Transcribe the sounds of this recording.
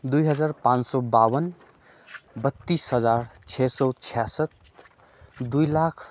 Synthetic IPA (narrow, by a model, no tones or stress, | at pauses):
d̪ujɦʌd͡zarpãnsɔbawʌn | bʌt̪ːisɦʌd͡zart͡sʰesɔt͡sʰijasʌt̪̚ | d̪ujlakʰ